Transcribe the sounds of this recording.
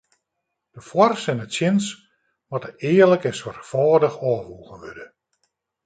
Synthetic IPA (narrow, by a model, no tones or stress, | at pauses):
d̥əfwɔrsɛnətsjɪns | mɔtəɪːərləkɛnswarkfɔːdəxɔːʋuːɣənʋødə